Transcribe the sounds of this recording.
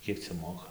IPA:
ˈkʲiɛk t͡sʲɛ ˈmoːkɐ

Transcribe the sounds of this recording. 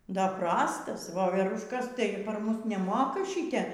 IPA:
ˈdɐr ˈprɑːstɐs ʋoːʋʲɛrʊʃˈkɐs ˈtɐɪ pɐr ˈmʊs nʲɛˈmoːkɐ ˈʃʲɪtʲɛ

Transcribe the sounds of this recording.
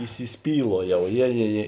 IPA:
iːsʲɪsʲˈpʲiːlˠuɔjɛʊ ˈjeː jeː jeː

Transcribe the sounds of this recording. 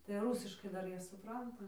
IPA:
tɐɪ ˈruːsʲɪʃkɐɪ ˈdɐr ˈjiɛ sʊˈprɐntɐ

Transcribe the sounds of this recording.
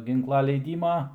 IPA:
ˈɡʲɪŋklˠɐ lʲɛɪˈdʲiːmɐ

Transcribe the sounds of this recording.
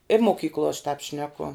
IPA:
ɪ moːˈkʲiːklˠoː ɐʃ tɑːp ˈʃʲnʲæːkʊ

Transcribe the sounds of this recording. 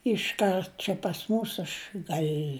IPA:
ɪʃˈkɐrt t͡ʃʲɛ pɐs ˈmuːs ɐʃ ˈɡɐlʲ

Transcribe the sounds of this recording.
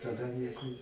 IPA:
tɐˈdɐ ˈnʲiɛkʊ

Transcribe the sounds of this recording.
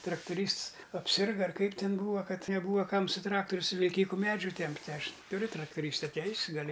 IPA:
trɐktʊˈrʲiːsts ɐpʲˈsʲɪrɡɐ ɐr ˈkɐɪp ˈtʲɪn ˈbuːʋɐ ˈkɐt nʲɛˈbuːʋɐ ˈkɐm sʊ ˈtrɑːktʊrʲʊ sʊ ʋʲɪlʲˈkʲiːkʊ ˈmʲæːd͡ʒʲuː ˈtʲɛmʲpʲtʲɪ ˈɐʃ tʊˈrʲʊ trɐktʊˈrʲiːstɐ ˈtʲɛɪsʲ ɡɐˈlʲɪ

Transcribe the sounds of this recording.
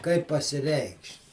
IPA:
kɐɪp pɐsʲɪˈrʲɛɪkʃʲtʲ

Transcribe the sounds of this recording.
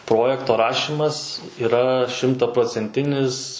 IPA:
ˈproːjɛktoː ˈrɑːʃʲɪmɐs iːˈrɐ ʃʲɪmtɐproːt͡sʲɛnʲˈtʲɪnʲɪs

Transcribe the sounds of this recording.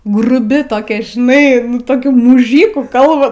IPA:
ɡrʊˈbʲɪ toːˈkʲɛ ʒʲɪˈnɐɪ toːˈkʲuː mʊˈʒʲiːkuː ˈkɐlˠbɐ

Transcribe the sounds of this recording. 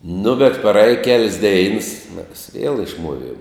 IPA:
nʊ bʲɛt prɐˈeːj kʲɛlʲsʲ dʲɛɪns mʲɛs ʋʲiɛlˠ ɪʃˈmuɔˌʋʲiɛm

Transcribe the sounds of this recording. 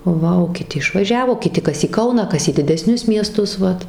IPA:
ˈʋɐ oː kʲɪˈtʲɪ ɪʃʋɐˈʒʲæːʋoː kʲɪˈtʲɪ ˈkɐs iː ˈkɐʊnɑː ˈkɐs iː dʲɪdʲɛˈsʲnʲʊs mʲiɛˈstʊs ˈʋɐt

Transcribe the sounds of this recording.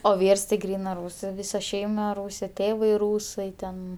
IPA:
oː ˈʋʲiːrs tʲɪ ˈɡrʲiːnɜ ˈruːsɜ ˈʋʲiːsɐ ˈʃʲɛɪmɐ ˈruːsʲeː ˈtʲeːʋɐɪ ˈruːsɐɪ tʲɛn

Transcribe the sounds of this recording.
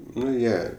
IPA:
ˈnʊ ˈjiɛ

